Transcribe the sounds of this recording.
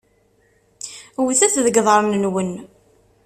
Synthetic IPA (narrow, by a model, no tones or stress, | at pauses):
wθæθðəɡðˤəɾˤnənwən